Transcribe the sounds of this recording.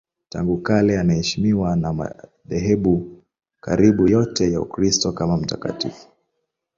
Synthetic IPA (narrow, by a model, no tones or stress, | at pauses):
ta̰ŋɡukalɛanahɛʃimiwanama̰ | ðɛɦɛɓu | kaɾiɓujɔtɛjaṵkɾistɔkamam̩ta̰ka̰tifu̥